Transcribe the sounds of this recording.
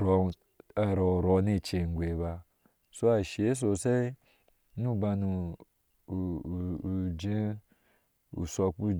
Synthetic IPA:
ɾo˨ | ɾo˨ɾo˨˦ne˦˨t͡ʃe˨ŋ̩˨ɡʷe˨βa˦ | so˦a˨ʃe˨˦s̬o˨se˦ | nu˦ba˧nu˨ | d͡ʒe˦ | ṵ˨so˨k͡pu˦

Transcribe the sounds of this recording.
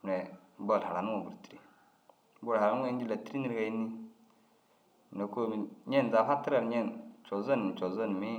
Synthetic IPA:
ne˨˦bo˦˨lha˨ɾa˨nu˦ŋo˨bu˨ɾti̥˨ɾi˦ | bo˦˨lha˨ɾa˨nu˦ŋa˨i˦d͡ʒi˦la˨ti˦ɾi˦ni˦ɾka˨ji˦nːi˦˨ | ne˨ko˦mi˨ɲe˦˨n˨za˨fa˦tːi˦ɾa˦˨ɾɲe˦˨nt͡ʃo˨za˦ni˨t͡ʃo˨zo˦n˨mi˦

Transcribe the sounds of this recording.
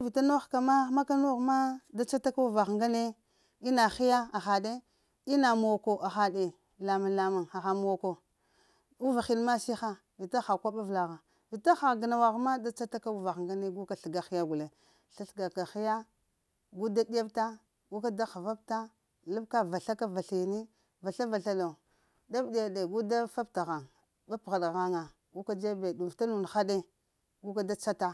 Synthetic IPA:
vi˨ta˦no˦xka˨ma˦ma˦ka˦no˦ɣma˦da˦t͡ʃa˦ta˦ka˦u˦va˨xŋɡa˦ne˦ | i˦na˨xi˦ja˦a˨xa˨de˦ | i˦na˨mo˨o˨ko˨ʔa˨xa˨de˨ | la˨ma˨nla˨ma˨na˨xa˨mu˨o˨ko˨ | u˦va˨xi˦lma˦si˦xa˦ | vi˨ta˦xa˨kʷa˦ɓa˦vla˨ɣa˨ | vi˨ta˦xa˨ɣɡi˨na˨wa˨ɣma˦da˦t͡ʃa˦ta˦ka˦u˨va˨xŋɡa˦ne˦ɡu˦ka˨ɬə˨ɡa˨xi˦ja˦ɡu˨le˨ | ɬa˦ɬɡa˨ka˨xi˦ja˦ | ɡu˦da˦di˦a˦bta˦ | ɡu˦ka˦da˦xa˨va˦b̚ta˦ | la˦bka˦va˨ɬa˦ka˦va˨ɬi˨ni˦ | va˨ɬa˦va˨ɬa˦lo˨ | da˦bɗi˨a˨bde˨ɡu˦da˦fa˦bta˨ɣa˨ŋ | ɓa˦pɣa˨dɣa˦ŋa˨ | ɡu˦ka˦d͡ʒe˦be˨du˨ta˦nu˨n˨xa˦de˦ | ɡu˦ka˦da˦t͡ʃa˦ta˦

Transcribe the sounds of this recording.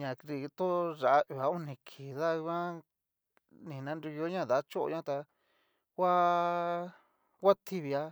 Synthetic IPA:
ɲã˨kɾi˧t̪o˦ʐa˨ʔa˦ʔi˨a˨˦u˦nĩ˧˨kʰi˨ða˦i˧kã˦ | nĩ˨nã˨˧ndu˧jo˧˦ɲã˦˨ða˨˦t͡ʃo˦ʔo̰˧ɲã˦t̪a˧ | kwʷa˦ | kʷa˦t̪ʰi˦βi˧a˦

